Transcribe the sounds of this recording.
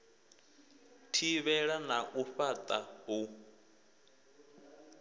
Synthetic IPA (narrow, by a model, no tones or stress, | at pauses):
tʰiβɛɺanaʔuɸat̪ʼabu